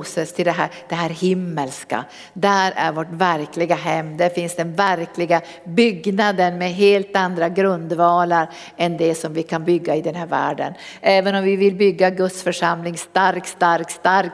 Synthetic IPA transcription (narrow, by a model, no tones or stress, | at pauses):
səst̪ʰɪld̪ɛɦæːd̪̥ɛɦæːɾhɪmːəlska̰ | d̪æɾæ̰ɾvoːʈvæɾklɪɡaɦɛmːd̪æɾfɪnsd̪ɛnvæɾklɪɡa | bʏɡnad̪ənmɛɦeːlt̪and̪ɾaɡɾɵnd̪vɑːlaɾ | ɛnd̪ɛsɔmvɪkʰanbʏɡːaɪd̪ɛnɦæːɾvæ̰ːɖə̰n | ʔɛːvənɔmvɪvɪlbʏɡːaɡɵt̪sfœʂamlɪŋst̪aɾkst̪aɾkst̪aɾk